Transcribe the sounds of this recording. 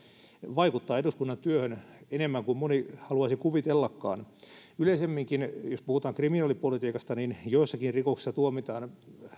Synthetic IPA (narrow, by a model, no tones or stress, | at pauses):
ʋɑikut̪ːɑːeɾuskunːɑnt̪yøhønenemːæŋkummonihɑluɑsikuʋit̪elːɑkːɑ̰ːnyleisemːiŋkinjospuhut̪ɑːŋkriminɑːlipolit̪iːkɑst̪ɑninjoisːɑkinrikouksi̥sːɑt̪uomit̪ɑːn